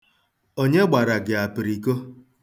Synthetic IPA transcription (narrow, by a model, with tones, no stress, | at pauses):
o˦ɲe˦ɡ͡ba˨ɾa˨ɡɪ˨a˨pɪ˨ɾi˨ko˦